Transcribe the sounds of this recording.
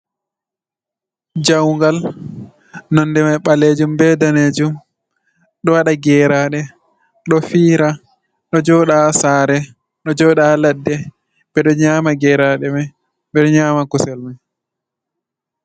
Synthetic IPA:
d͡ʒawŋɡal | nɔndɛmajɓaled͡ʒumbɛdaneːd͡ʒum | ɗɔwaɗaɡɛːɾaɗɛ | ɗɔfiːɾa | ɗɔd͡ʒɔɗasaːɾɛ | ɗɔd͡ʒɔɗaladːɛ | bɛɗɔɲaːmaɡɛɾaɗɛmaj | ɓɛɗɔɲaːmakusɛlmaj

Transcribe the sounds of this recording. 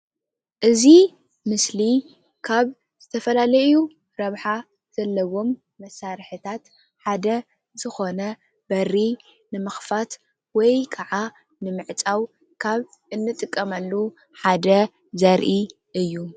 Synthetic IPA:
ʔɨzi | mɨsli | kʰaβ | z̥ɨt̪ʰɐfɐlalɐju | ɾɐβħa | z̥ɐlːɐwo̞mː | ɐsaɾħɨt̪ʰat̪ | ħad̪ɐ | zɨxo̞nɐ | bɐrːi | nɨmɨxfat̪ | wɔjkʰaʕa | nɨmɨʕt͡sʼaw | kʰaβ | ɨnːɨt̪ʼɨkʼːɐmalːu | ħad̪ɐ | zɐɾʔi | ʔɨjːu

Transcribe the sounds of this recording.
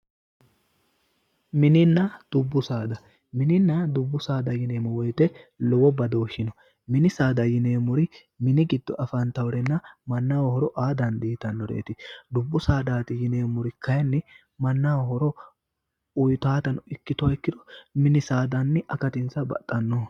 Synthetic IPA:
mɪnɪnːɐd̪̥ʊbːʊsaːd̪ɐ | mɪnɪnːɐd̪ʊbːʊsaːd̪ɐjɪneːmɔwɔjt̪ɛlɔwɔbɐd̪oːʃɪnɔ | mɪnɪsaːd̪ɐjɪneːmʊɾɪ | mɪnɪɡɪd̪ːɔʔɐfɐnt̪ɐwɾɛnːɐmɐnːawhɔɾɔʔaːd̪ɐnd̪iːt̪ɐnːɔɾḛːt̪ɪd̪ʊbːʊsaːd̪aːt̪ɪjɪne̞ːmʊɾɪkɐjɐnːɪ | mɐnːawhɔɾɔ | ʊjt̪aːt̪ɐnɪkːɪt̪ʊaɪkːɪd̪ɔmɪnɪsaːd̪ɐnːɪʔɐkɐt̪ɪnsɐbɐ̰t̪ʼːɐnːɔ

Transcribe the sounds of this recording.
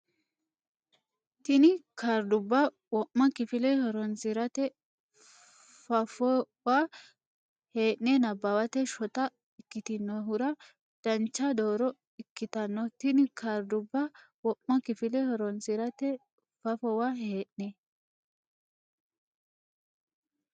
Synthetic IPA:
t̪ɪnɪkʰaɾd̪ʊbːa | wɔʔmːɐkɪfɪlɛhɔɾɔnsɪɾɐt̪ɛ | fɐfɔ | waː | he̞ːʔnenɐbːɐwɐt̪ɛʃɔt̪ɐ | ɪkːɪt̪ɪnːɔhʊɾɐ | d̪̥ɐnt͡ʃːad̪oːɾɔ | ɪkːɪt̪ɐnːɔt̪ɪnɪkaɾd̪ʊbːawɔʔmːɐkɪfɪlɛhɔɾɔnsɪɾɐt̪ɛ | fɐfɔwaɦeːʔne

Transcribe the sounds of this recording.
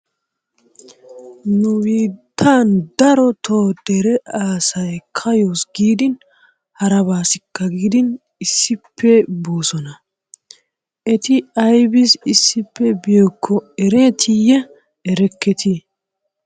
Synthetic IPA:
nʊwiːt̪ʰːaːnd̪ɐɾɔt̪ʰoːd̪̥ɛɾɛʔaːsɐjkʰɐjoːsɡiːd̪ɪn | hɐɾɐβaːsɪkːɐɡiːd̪ɪn | ɪsːɪpʰːɛbo̞ːsɔnɐ | ʔɛt̪ɪɐjbɪsɪsːɪpːɛbɪjoːkʰːɔɛɾɛt̪ʰɪjɛ | ɛɾɛkːɛt̪ʰi

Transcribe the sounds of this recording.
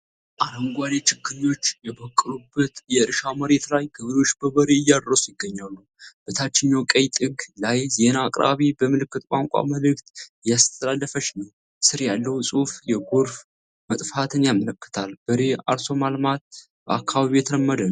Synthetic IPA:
ʔaɾəŋɡʷalet͡ʃɪkʰːɨɲo̞t͡ʃːjɛbəkʼːɨɾubːət̪jɛɨɾʃaməɾe̞t̪lajkʰɨβɨd̪o̞t͡ʃːbəβəɾeɨjːad̪rəsʼjɪɡːəɲːalːu | b̥ət̪ʰat͡ʃːɪɲːawkʼəjt̪ʼɨɡlajze̞naːkʼɾa̰βibəmɨlɨkːɨt̪kʷʼa̰ŋkʷʼa̰məlɨkʼt̪jast̪ʰəlalːəfəʃnəw | sɨɾjalːəwusʼufjɛɡoɾf | mət̪ʼfat̪ʰɨnjamələkːɨ̥t̪ʰalbɨɾea̰ɾso̞malmat̪̚ | bəakːaβaβijɛt̪ʰəɾəmːəd̪ən

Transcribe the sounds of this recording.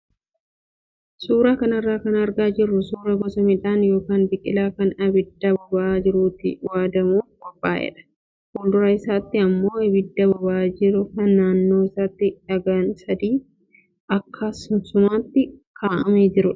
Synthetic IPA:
suːɾaːkɐnɪrːaːkɐnɐɾɡaːd͡ʒɪrːʊsuːɾɐɡɔsɐmɪᶑaːnjo̞ːkaːnbɪkʼɪlaːkɐnɐbɪd̪ːɐbɐbaːd͡ʒɪɾuːt̪ɪ̰waːd̪ɐmuːɡ̥ɔbʼːaːʔɛ̰ᶑɐ̥ | hʊld̪ʊɾɐɪsaːt̪ːɪɐmːo̞ːɐbɪd̪ːɐbɐbaːd͡ʒɪɾʊkɐnːaːnːo̞ːɪsaːt̪ːɪᶑɐɡɐnsɐd̪iː | ʔɐkːɐsʊnsʊmaːt̪ːɪkʰaːʔɐ̰meːd͡ʒɪɾʊᶑɐ̥

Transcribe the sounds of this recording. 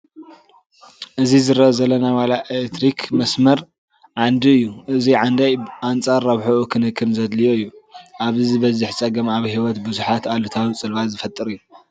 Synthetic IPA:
ʔɨzizɨɾʔozɐlːɐnawalaet̪ɾikʰmɐsmɐɾ | ʕand̪iɨjːuʔɨziʕand̪ajant͡sʼaɾːɐβħuʔukʰɨnɨkʰːɨnzɐd̪lijoɨjːuʔaβizɨβɐzɪħt͡sʼɐɡɐmaβhiwɔt̪bɨzuħat̪alut̪ʰawt͡sʼɨlβazɨfɐt̪ʼːɨɾɨjːu

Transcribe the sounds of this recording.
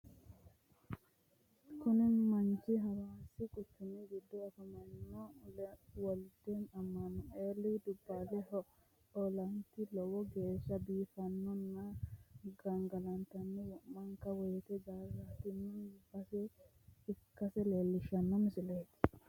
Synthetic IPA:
kʊnɛmɐnt͡ʃɪɦɐwaːsɪkʼʊt͡ʃːɪnːɪɡɪd̪ːɔːfɐmɐnːɔlwɔld̪enɐmːɐnːɔeːlːɪd̪ʊbːaːlɛhɔ | ɔlɐnt̪ɪlɔwɔɡe̞ːʃːɐbiːfɐnːɔnːɐɡɐŋɡɐlɐnt̪ɐnːɛwɔʔmɐŋkɐwɔjɛt̪ɛɡaɾat̪ɪnːɪb̥ɐsɛ | ɪkːɐsɛleːlːɪʃɐnːɔmɪsɪleːt̪ɪ̥

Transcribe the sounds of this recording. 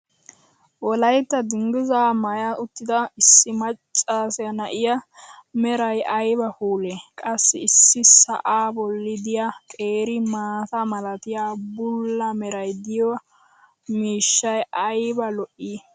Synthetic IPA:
wɔlɐjt̪ːɐd̪ɪŋɡɪzaːmɐjɐʔʊt̪ːɪd̪ɐɪsːɪmɐt͡ʃʼːaːsɛnɐʔɪjɐmɛɾɐjʔɐjbɐhuːlekʼɐsːɪ̰ɪsːɪsɐ̰ʔaːbɔlːɪd̪ɪjakʼeːɾɪmaːt̪ɐmɐlɐt̪ɪjaːbʊlːɐmɛɾɐjd̪ɪjɔ | miːʃːɐjɐjbɐlɔʔːi

